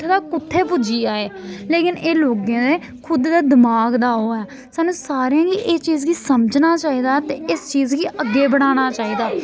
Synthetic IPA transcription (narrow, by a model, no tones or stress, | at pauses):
d̪aːkʊt̪ʰːeːpʊd͡ʒiːaːeːleːkɪneːloːɡẽːd̪eː | kʰʊd̪d̪aːd̪ɪmaːɡd̪aːɦoːɛː | saːnːũːsaːɾeãːɡiʔeːt͡ʃiːzɡiːsəməd͡ʒnaːt͡ʃaːiːd̪aːt̪eːɪst͡ʃiːzɡiːʔəɡːeːbəɽ̃aːñaːt͡ʃaːiːd̪aː